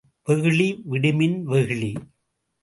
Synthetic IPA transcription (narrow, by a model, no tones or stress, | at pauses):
ʋɛɣɯɭiʋɪɽɪmɪnʋɛɣɯɭi